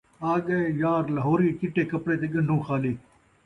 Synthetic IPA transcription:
aːɠəjaːɾləɦoːɾiːkɪʈeːkəpɽeːt̪eːɡəɳɖʱũːxʰaːliː

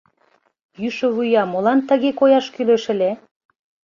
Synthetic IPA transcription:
jyʃə̆βujɑmolɑnt̪ə̆ɣekojɑʃkyløʃə̆lʲe

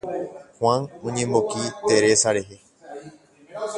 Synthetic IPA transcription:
hwanõɲẽ̞mbokit̪e̞ɾe̞saɾe̞ɦe̞

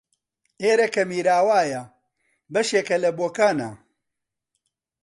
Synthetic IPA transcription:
eːɾɐkɐmiːɾaːwaːjɐ | bɐʃeːkɐlɐboːkaːna̰

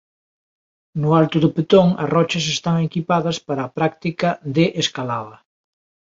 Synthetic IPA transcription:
nʊalt̪ʊðʊpet̪oŋɐ̰rɔt͡ʃɐsest̪aŋekipaðɐspaɾɐːpɾak̚t̪ikɐðeʔeskalaðɐ

